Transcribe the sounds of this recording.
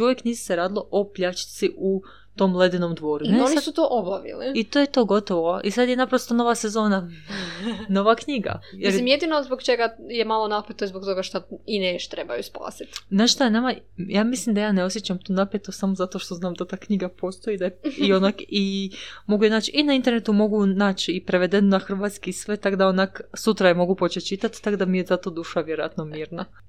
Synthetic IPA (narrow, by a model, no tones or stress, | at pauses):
uʋjekniːzi̥seɾaːd̪ilˠo̞ʔopʎat͡ʃi̥t̪siʔu | t̪o̞mlˠed̪inomd̪ʋo̞ːɾuneonisut̪oʔobaʋḭliit̪ojet̪oːɡo̞t̪oʋoisad̪jenapɾost̪ono̞ʋasezo̞ːna | no̞ʋakɲiɡa̰jeɾimjed̪inozbokt͡ʃeɡajemalˠonapjet̪oizbok̚t̪oɡaʃt̪aineʃt̪ɾebajuspa̰ːsi̥t̪znaːʃʃt̪aenamajaːmislimd̪ajaːneosjet͡ɕamt̪uːnapjet̪osamozat̪o̞ʃt̪o̞znaːmd̪at̪aːkɲiɡapo̞st̪o̞id̪ajeio̞nakimo̞ɡujenaːt͡ɕinaint̪e̞ɾne̞t̪umo̞ɡunaːt͡ʃipɾe̞ʋe̞d̪enonaxr̩ʋaːt̪skisʋet̪akd̪ao̞naksut̪ɾajemo̞ɡupo̞t͡ʃet̪̚t͡ʃit̪at̪t̪ːakd̪amijezat̪o̞d̪uːʃaʋje̞ɾoja̰t̪no̞miːɾna